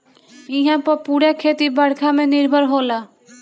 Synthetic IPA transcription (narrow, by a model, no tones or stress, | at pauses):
iɦãpəpuɽakʰeːt̪ibəɽ̤kʰamẽnɪɾbʱəɾɦola